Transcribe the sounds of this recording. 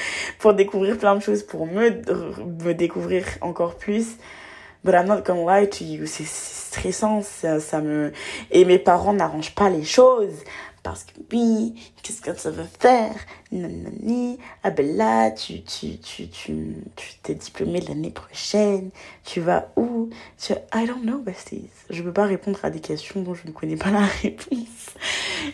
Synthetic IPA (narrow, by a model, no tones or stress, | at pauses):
puʁd̪ekuvʁiʁplɛ̃d̪əʃozpuʁmə | məd̪ekuvʁiʁɑ̰̃kɔʁplys | bɾanɑ̃kɔmwajt̪ʰysɛsɛ̥st̪χɛsɑ̃sasaməemepaʁɑ̃naʁɑ̃ʒpaleʃozpa̰ʁsə̥kə̥wikʲɛskəsavafɛʁnanːa̰niabɛlat̪ʰyt̪ʰy̰t̪ʰyt̪ʰyt̪ʰy̥t̪ʰɛd̪iplɔmed̪əla̰nepχɔʃɛnt̪ʰyva̰ut̪yaajdɔ̃nnowatḭz̥ʒəpøpaʁepɔ̃d̪ʁa̰d̪ekʲɛst̪jɔ̃d̪ɔ̃ʒənəkʰɔnɛpalaʁepʰɔ̃s